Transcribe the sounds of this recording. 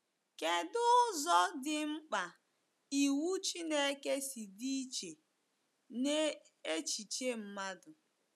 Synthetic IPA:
ke˨dʊ˦zɔ˦dɪ˨ŋ͡m̩˦k͡pa˨ | i˨wu˦t͡ʃi˦ne˦ke˦si˨di˦i˦t͡ʃe˨ | ne˦ | e˦t͡ʃi˨t͡ʃe˦m̩˨ma˦dʊ˨

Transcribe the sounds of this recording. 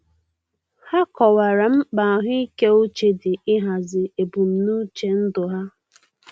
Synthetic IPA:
ha˦kɔ˨wa˨ɾa˨m̩˦k͡pa˨ɦʊ˦i˦ke˦o˦t͡ʃe˨dɪ˨ɪ˦ɦa˨zɪ˨e˨bu˨m̩˨nu˦t͡ʃe˨n̩˦dʊ˨ɦa˦

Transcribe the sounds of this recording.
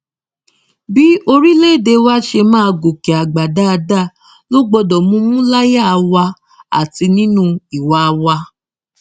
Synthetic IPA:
bi˦o˧ɾi˦le˦˨de˧wa˦ʃe˧mãː˦˧ɡo˨ke˨a˨ɡ͡ba˨da˦a˧da˦˨ | lo˦ɡ͡bɔ˧dɔ˨mũ˦mũ˦la˦ja˦˨˧wa˧ | a̰˨ti˧nĩ˦nũ˦i˨wa˨˦˧wa˧

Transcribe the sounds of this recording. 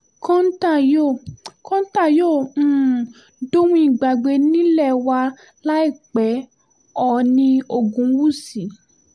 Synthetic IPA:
kɔ̃˦n̩˦ta˦˨jo˦˨kɔ̃˦n̩˦ta˦˨jõ˦˨˦ | do˦w̃ĩ˧˦i˨ɡ͡ba˨ɡ͡be˧˦nĩ˦lɛ˦˨wa˧ | la˦i˦˨k͡pɛ˨˦ | ɔ˨nĩ˧o˨ɡũ˨˦wu˦˨si˨˦

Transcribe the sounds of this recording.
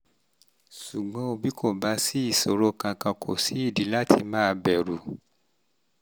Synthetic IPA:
ʃu˨ɡ͡bɔ̃˨˦o˧bi˦ko˦˨ba˨˧˦si˦i˦˨so˨ɾo˧kã˧kã˧kʰo̰˨si˨˦i˦˨di˨˦la˦tʰi˧mãː˦˧bɛ˨ɾu˨

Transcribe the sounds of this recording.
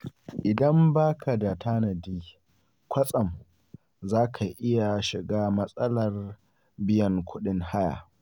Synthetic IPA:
ʔɪ˨dɐ˦mbaː˦kʰa˨da˨tʰaː˦nɐ˨diː˦ | kʷɐ˦sʼɐ˨m | zaː˦kʰa˨ʔɪ˦ja˨ʃɪ˨ɡaː˦mɐ˦sʼɐ˦lɐ˨r | bɪ˦jɐ˨ŋkʷʊ˦ɗɪ˦ŋha˦ja̰ː˨

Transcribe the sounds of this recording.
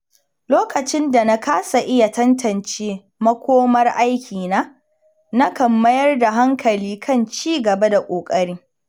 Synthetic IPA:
loː˦kɐ˨t͡ʃɪ˦nda˨na˦kʰaː˦sa˨ʔɪ˦ja˨tɐ˦ntʰɐ˨nt͡ʃeː˦ | mɐ˦kʷoː˦mɐ˦rʔa˦jkʲʰiː˨naː˦ | na˦kɐ˨mːɐ˦jɐ˦rda˨ɦa˦ŋkʰɐ˨liː˦kʰɐ˦˨nt͡ʃiː˦ɡɐ˨ba˦da˨kʷʼoː˨kʼɐ˦ɽiː˦

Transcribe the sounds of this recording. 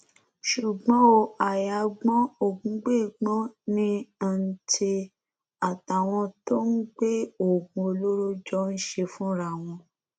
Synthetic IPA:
ʃu˨ɡ͡bɔ̃˨˦o˧˨a˨ja˧˦ɡ͡bɔ̃˦o˦˨ɡũ˨˦ɡ͡be˦˨ɡ͡bɔ̃˦nĩ˦a˦˨n̩˦tʰe˧ | a˨ta˨w̃ɔ̃˧to˦n̩˦ɡ͡be˦o˦˨ɡũ˧o˧lo˦ɾo˦d͡ʒɔ˦n̩˦ʃe˧fũ˦ɾa˦˨w̃ɔ̃˧

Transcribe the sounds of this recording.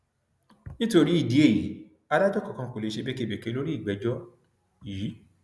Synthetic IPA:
nĩ˦to˧ɾi˦i˦˨di˨˦e˦˨ji˨˦ | a˧da˦d͡ʒɔ˦˨kɔ˨kã˧ko˨le˨˦ʃe˧be˦ke˦˨be˨ke˧˦lo˦ɾi˦i˦˨ɡ͡bɛ˨˦d͡ʒɔ˦ | jiː˨˦

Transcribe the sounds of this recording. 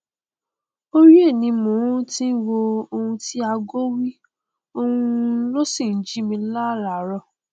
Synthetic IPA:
o˦ɾi˦e˦˨nĩ˨˧mõ˨˦tĩ˦n̩˦wo˧o˧hũ˧ti˦a˧ɡo˦wi˦ | o˧hũ˧˦lo˦si˦˨n̩˨˦d͡ʒi˨˦mĩ˧la˦ɾa˨˦ɾɔ˧˨

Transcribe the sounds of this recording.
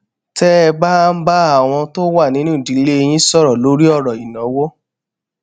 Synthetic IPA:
tɛ˦ɛ˧ba˦m̩˦ba˦a˦˨w̃ɔ̃˧to˦wa˦˨nĩ˨˦nũ˦˨di˨˦le˦e˧j̃ĩ˦sɔ˦˨ɾɔ˨lo˨˦ɾi˦ɔ˦˨ɾɔ˨i˨nã˨˦wo˦

